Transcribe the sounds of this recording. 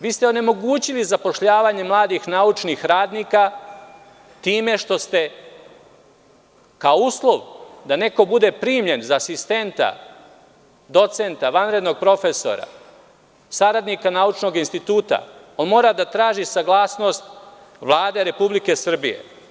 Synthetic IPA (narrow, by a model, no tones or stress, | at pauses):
ʋiːst̪eo̞ne̞mo̞ɡuːt͡ɕilizapo̞ʃʎaːʋaɲe̞mlˠaːd̪ixnaːut͡ʃnixɾaːd̪nika | t̪iːme̞ʃt̪o̞st̪e̞ | kaouːslˠo̞ʋd̪ane̞ko̞bud̪e̞pɾiːmʎe̞nzaːsist̪e̞nt̪a̰ | d̪o̞t̪se̞nt̪aʋanɾe̞d̪no̞ɡ̚pɾo̞fe̞so̞̰ɾa̰ | saɾad̪nikanaːut͡ʃno̞ɡinst̪it̪uːt̪a̰ | onmo̞ːɾad̪at̪ɾaːʒisaɡlˠaːsno̞st̪ | ʋlˠaːd̪e̞ɾe̞publike̞sr̩bije̞̰